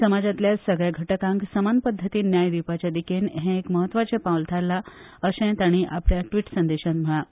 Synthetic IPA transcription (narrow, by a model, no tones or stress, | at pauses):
səmad͡zat̪ljasəɡɭjaɡʱəʈəkãŋksəmanpəd̪ʱːət̪iːnjajd̪ipat͡ɕjad̪ikenɦẽekməɦət̪ːʋat͡ɕẽpawlt̪ʰaɾlaəsɛ̃t̪aɽ̃iʔapljaʈʋiʈsə̃nd̪eɕənm̤əɭa